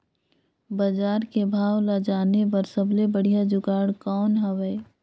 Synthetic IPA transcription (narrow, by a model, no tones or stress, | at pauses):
bad͡ʒaːɾkebʱaːwlad͡ʒaːnepɐɾsəblebəɽ̤ijad͡ʒʊɡaːɽkɔːnɦɐʋɛ